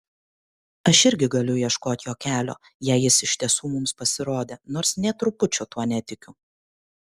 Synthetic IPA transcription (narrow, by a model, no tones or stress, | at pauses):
ɐʃɪɾʲɡʲɪɡɐlʲʊiɛʃkoːt̪ʲjoːkʲæːlʲo̰ː | jɛɪjɪsɪʃʲt̪ʲiɛsuːmʊmspɐsʲɪɾoːd̪ʲeːnoːɾsnʲɛt̪ɾʊpʊt͡ʃʲʊt̪uɔnʲɛt̪ʲɪkʲʊ